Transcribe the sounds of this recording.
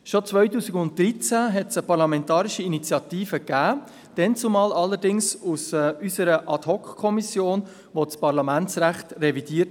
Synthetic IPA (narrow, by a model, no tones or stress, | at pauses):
ʃot͡svœʏtuːsiɡʊnt̚d̪ɾit͡sæɦɛtsəpɑɾlɑmɛntɑːɾɪʃiinit͡sjɑt̪iːfəkæː | d̥ɛnt͡sʊmɑːlɑlːəɾdɪŋsusysəɾəʔɑtɦɔkχkʰːɔmisjoːn | ʋot͡spɑɾlɑmænt͡sɾæχtrɛvid̥iːət